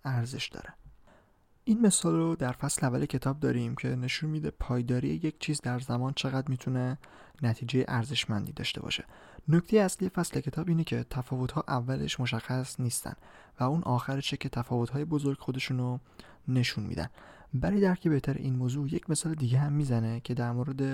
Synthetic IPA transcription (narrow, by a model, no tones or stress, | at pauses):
æɾze̞ʃd̪̥ɒ̰ːɾe | ʔiːnme̞sɒːlrod̪æɾfæsleævælecʰe̞t̪ʰɒːb̚d̪ɒ̰ːɾimcʰe̞ne̞ʃunmiːd̪epʰɒːjd̪ɒːɾijeje̞cʰt͡ʃʰiːzd̪æɾzæmɒːnt͡ʃʰe̞ɣæd̪miːt̪ʰune̞ | næt̪ʰiːd͡ʒe̞jḛʔæɾze̞ʃmænd̪iːd̪ɒ̰ːʃt̪e̞bɒ̰ʃe̞̰ | noct̪ʰejeæslije̞fæsle̞cʰe̞t̪ɒːbiːnecʰe̞t̪ʰæfɒːvo̞t̪ʰhɒːʔævːælḛʃmo̞ʃ̬æxːæsniːst̪æ̰n | væuːnʔɒːxæɾeʃecʰe̞t̪ʰæfɒːvo̞t̪hɒːje̞bo̞zo̞ɾɡxo̞d̪e̞ʃuːno | ne̞ʃunmḭːd̪æ̰nbæɾijd̪æɾcʰebe̞ht̪ʰæɾḛʔiːnmoːzuːje̞cme̞sɒːled̪iːɟeɦæmːiːzæne̞cʰe̞d̪æɾmoɾe̞d̪e̞